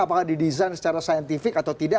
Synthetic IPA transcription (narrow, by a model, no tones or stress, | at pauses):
apakadidizajnsə̥t͡ʃaɾasajənt̪ifɪkat̪awt̪ida